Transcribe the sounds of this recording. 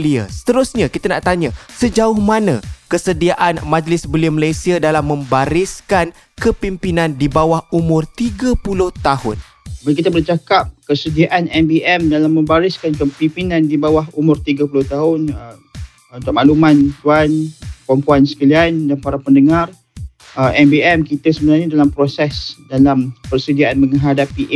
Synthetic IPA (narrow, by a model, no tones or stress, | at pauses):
lia̰sə̥t̪əɾʊsɲakit̪anaʔt̪aɲasəd͡ʒaʊhmanã̰kəsədiaʔanmãd͡ʒlɪsbəliəməlajsiadalamːə̃mbaɾiskan | kəpimpinãndibawahumʊrt̪iɡapulʊht̪ahʊ̰n | bakit̪abərt͡ʃakap̚kəsədiaʔanɛmbiʔɛmdalamːə̃mbaɾiskankəpimpinãndibawaɦumʊrt̪iɡapulʊht̪aɦʊnə | unt̪ʊʔ̚maʔlumãnt̪uanpɔmpuansə̥kaliandanpaɾapəndəŋar | əɛmbiɛmkit̪asəbənarɲadalampɾosɛsdalampərsədiaʔanmə̃ŋɦadapi